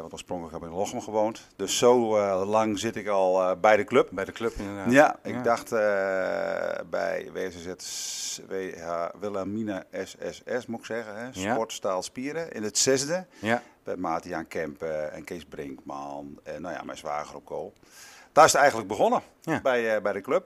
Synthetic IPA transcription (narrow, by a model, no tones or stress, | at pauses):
ʋɔntoːəsproŋkləkhɛpɪkloxəmɣəʋoːnt | døsːoːlaŋzɪtɪkɔlˠbɛjdəkløpkløpnəajaɪɡ̚daxtə | bɛ̰jʋeːɛsesɛtʋehaʋɪlˠaminaɛsɛ̰sɛsmuɪksɛɣəɛspɔtstaːlˠspiəɾəɪ̰nətsɛzdəbɛtmaːtiaːnkʰɛmpɛ̰nkɪsbrɪŋkmanɛnːoja̰mɛ̰jsʋa̰ːɣərop̚koːp | tastɛjɣəntlək̚bəɣonəbɛjbɛjdəkløp̚